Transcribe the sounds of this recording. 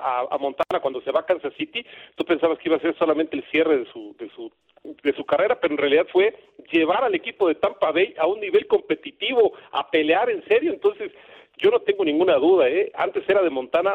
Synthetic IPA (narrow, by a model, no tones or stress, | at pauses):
aa̰mõ̞nt̪anakwand̪o̞se̞βakansasit̪it̪upe̞nsaβaskeiβase̞ɾso̞lament̪eːlsje̞re̞ðesuðesu | ðe̞sukare̞ɾape̞ɾoenrealiðaðfwe̞ʝe̞β̞aɾale̞kipo̞ðe̞t̪ampaβejaunːiβe̞lko̞mpe̞t̪it̪iβo̞a̰pe̞leaɾe̞nse̞ɾjo̞ent̪o̞nse̞s | ɟ͡ʝo̞no̞t̪e̞ŋɡo̞nĩŋɡunaðuð̞aea̰nt̪e̞se̞ɾað̞e̞mo̞nt̪ana